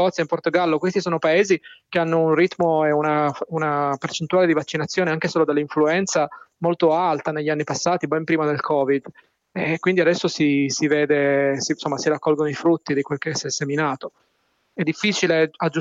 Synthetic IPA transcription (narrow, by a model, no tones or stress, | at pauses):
ɔt̪sːjaimport̪oɡalːokwest̪isoːnopaeːzikeanːounrit̪ːmoeunaunapert͡ʃent̪uaːled̪ivat͡ʃːinat̪sːjoːneaŋkesoːlod̪alːiɱfluɛnt̪samolt̪oalt̪aneʎːianːipasːaːt̪ibɛmpɾiːmad̪elkʰɔːvid̪ | ɛkːwind̪iad̪ɛsːosisiveːd̪esisomːasiɾakːɔlɡonoifɾut̪ːid̪ikwelkesɛsːeminaːt̪o | ɛd̪ːifːiːt͡ʃilead͡ʒːu